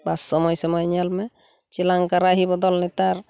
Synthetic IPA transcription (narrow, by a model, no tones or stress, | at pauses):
basːɔmɔjsɔmɔjɲalmɛ | t͡ʃilaŋkaɾaɦibɔd̪ɔlnɛt̪aɾ